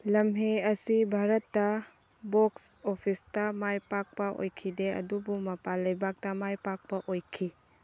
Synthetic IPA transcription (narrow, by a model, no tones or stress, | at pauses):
lɐmɦeɐsibʱaɾɐtːɐ | boksopʰistɐmajpak̚pɐʔo̰jkʰideɐ̰dubumɐpalɐjbak̚tɐmajpak̚pɐʔojkʰi